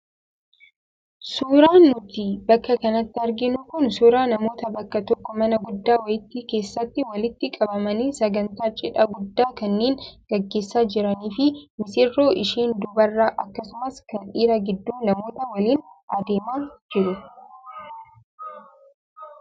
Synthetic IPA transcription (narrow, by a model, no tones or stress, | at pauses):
suːɾaːnːʊt̪iːbɐkːɐkɐnɐt̪ːɪɐɾɡɪnʊkʊnsuːɾaːnɐmo̞ːt̪ɐbɐkːɐt̪ɔkːɔmɐnɐɡʊd̪ːaːwɐjɪt̪ːiːke̞ːsːɐt̪ːɪwɐlɪt̪ːɪkʼɐbɐmɐniːsɐɡɐnt̪aːt͡ʃʼɪᶑɐɡʊd̪ːaːkɐnːeːnɡ̥ɐɡːe̞ːsːaːd͡ʒɪɾɐniːfɪmɪsɪrːo̞ːʔɪʃiːnd̪ʊbɐrːaːʔɐkːɐsʊmɐskɐniːɾɐɡɪd̪ːuːnɐmo̞ːt̪ɐwɐliːnʔɐd̪e̞ːmaːd͡ʒɪɾʊ